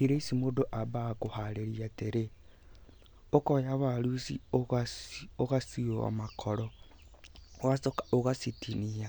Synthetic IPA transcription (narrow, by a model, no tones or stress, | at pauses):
iɾeisimodoʔaβakohaɾeɾiateɾe | okojaβalusḭoɣasoɣasioa̰makʰoɾo | oɣasoɣasitinija